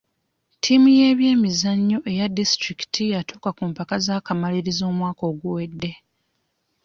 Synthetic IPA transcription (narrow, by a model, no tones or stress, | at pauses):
tʰimuje̞ːβje̞ːmizaɲːo̞ʔe̞jadistɾiki̥tʰijatuːkakumpakazaːkamaliɾizo̞ːmwaːko̞ːɡuwe̞dːe̞